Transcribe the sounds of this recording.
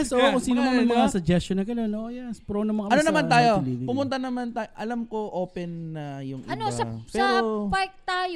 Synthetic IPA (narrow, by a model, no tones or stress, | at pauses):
ɛsʔookʊŋsiːnomɐnɐŋmɐŋasɐd͡ʒɛst͡ʃonɐɡɐnonʔojɛspɾonɐmɐŋɐʔɐnonɐmant̪aːjo̞pʊmʊnt̪ɐnɐmant̪aːʔɐlɐmkoʔoːpɛnːɐjʊŋʔɪnosɐɛːɾopaɾk̚t̪aːj